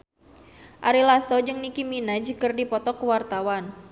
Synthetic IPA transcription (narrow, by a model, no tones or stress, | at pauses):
ʔaɾilast̪ɔd͡ʒɨŋnikiminad͡ʒəkərdipɔt̪ɔkuwart̪awan